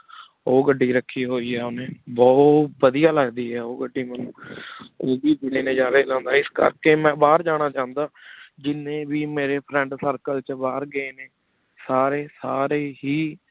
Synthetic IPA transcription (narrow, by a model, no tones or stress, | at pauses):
oːɡəɖːiːɾəkʰːiːɦoːiːɦɛːonẽːbɔːt̪bəd̪ijaːləɡd̪iːɦɛːoːɡəɖiːmənuːoːbiːd̪ɪneːneːd͡ʒaːɾeːlãːnd̪aːɪskə̰ɾkeːmɛ̃ːbaːɾd͡ʒaːɽ̃aːt͡ʃãːnd̪aːd͡ʒɪnẽːbiːmeːɾeːpʰɾɛ̃ːɳɖsəɾkəlt͡ʃbaːɾɡəeːneː | saːɾeːsaːɾeːɦiː